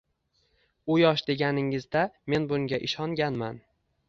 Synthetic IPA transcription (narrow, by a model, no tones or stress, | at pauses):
ʊjɒʃd̪e̞ɡʲanɪŋɪzd̪ame̞nbʊŋɡʲaʔɪʃɒŋɡʲanman